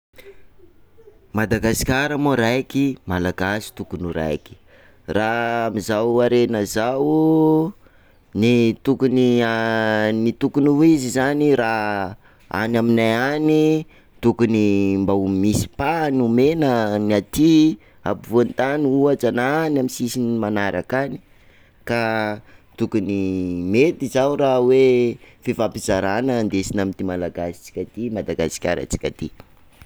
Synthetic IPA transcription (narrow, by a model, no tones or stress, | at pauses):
mad̪aɡasi̥kʲaɾamoɾajkimalaɡasi̥t̪ukunuɾa̰jki̥ | raamizawaɾenəzaw | nit̪ukunianit̪ukunuizizanira | a̰naminajani | t̪ukunimbaumisi̥panumenənat̪i | a̰pivont̪aniuat͡sananamisisinimanaɾakani̥ | ka | t̪ukunimet̪izawɾawefivapizaɾanənd̪esinamint̪imalaɡasi̥t͡si̥kʲat̪imad̪aɡa̰si̥kʲa̰ɾə̰t͡si̥kʲa̰t̪i